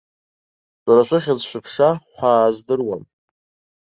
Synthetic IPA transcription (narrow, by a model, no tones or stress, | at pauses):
ɕʷʼaɾaʃʷʰaχʲazʃʷɨpʰʂaħʷaːzdɨrwan